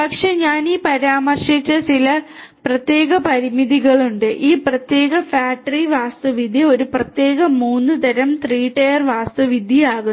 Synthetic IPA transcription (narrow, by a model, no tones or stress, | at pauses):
pɐkʂe̞ɲaːniːpɐɾaːmɐrʂit͡ɕːɐt͡ɕilɐprɐt̪je̞ːɣɐpɐɾimiðiɣɐɭuɳɖɨʔiːprɐt̪je̞ːɣɐfaːʈːriʋaːst̪ɐʋid̪ʱjio̞ɾuprɐt̪je̞ːɣɐmuːnːɨt̪ɐɾɐmt̪riːʈːɐjɐrʋaːst̪ɐʋid̪ʱiaːɣu